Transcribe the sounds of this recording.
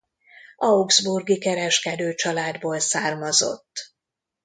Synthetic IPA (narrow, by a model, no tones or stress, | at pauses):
ʔɒuɡzburɡikɛɾɛʃkɛd̪øːt͡ʃɒlaːd̪boːlsaːrmɒzo̞̰t̪ː